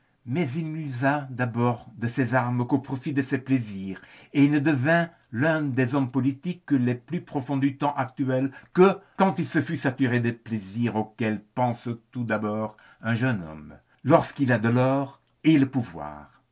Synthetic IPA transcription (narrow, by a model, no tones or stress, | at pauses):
mɛzilnyzad̪abɔːʁd̪əsɛzaʁməkopχɔfid̪əsɛpleziːʁeilnəd̪əvɛ̃ | lœ̃d̪ezɔmpɔlit̪ikːəlɛplypχɔfɔ̃d̪yt̪ɑ̃ʔakt̪yɛlkəkɑ̃t̪ilsəfysat̪yʁed̪əpleziʁokɛlpɑ̃st̪ud̪abɔːʁ | ɛ̃ʒənɔ̰m | lɔʁskilad̪əlɔːʁ | eləpuvwa̰ːʁ